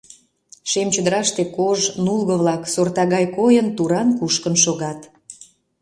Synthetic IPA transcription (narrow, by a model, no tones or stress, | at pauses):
ʃemt͡ɕəd̪əɾɑʃt̪ekoʒnulɣəβlɑksort̪ɑɣɑjkojənt̪uɾɑnkuʃkənʃoɣɑt̪